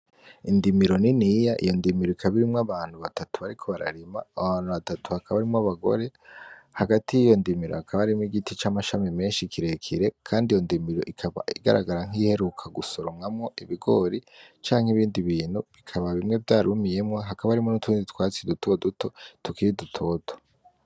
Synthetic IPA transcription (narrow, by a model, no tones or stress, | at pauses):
indimiɾo̞ninijaʔḭjo̞ndimiɾoikʰaβiɾimŋaβaːn̥huβatatuβaɾikʰo̞βaɾa̰ɾima̰ːβaːnhuβatatuhakʰaβaɾimŋaβaɡo̞̰ɾe̞haɡatijijo̞ndimiɾohakʰaβaɾimwiɡitit͡ʃaːmaʃamime̞ːnʃikʰiɾekʰiɾe̞kʰaːndijo̞ndimiɾo̞ʔikʰaβa̰iɡa̰ɾaɡaɾaŋihe̞ɾukʰaɡusoɾomŋamŋo̞ʔiβiɡo̞ːɾit͡ʃaːŋ̥hiβiːndiβiːnhuβikʰaβaβimŋe̞vjaːɾumije̞mŋaɦakaβaaɾimonutunditʰwaːt͡sidutʰo̞dutʰo̞tukiɾidutʰo̞ːtʰo̥